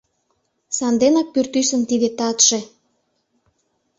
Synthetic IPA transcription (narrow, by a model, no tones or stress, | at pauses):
sɑnd̪enɑk̚pyrt̪ysə̆nt̪id̪et̪ɑt̪ʃe